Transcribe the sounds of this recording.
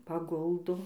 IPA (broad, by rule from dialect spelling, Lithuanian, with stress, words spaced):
pɐˈɡʊlˠdoː